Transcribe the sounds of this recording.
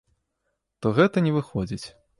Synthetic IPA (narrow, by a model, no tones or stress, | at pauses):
t̪ɔɣɛt̪ɐnʲɛvɨxɔd͡zʲit͡sʲ